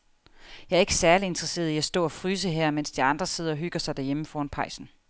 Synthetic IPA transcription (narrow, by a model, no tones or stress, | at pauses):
jɑ̈æɐe̝ɡ̥əsæɐlie̝nd̥ʁɐse̝̰ːɐðˠiæsd̥ɔ̰ːɒ̽fʁyːs̬əɦeɐ̰men̰sd̥iɑ̈nd̥ʁɐse̝ð̰ˠɐɒ̽ɦyɡ̥ɐsɑ̈ɪd̥æɐjeməfɒːnpʰɑ̈ɪsn̩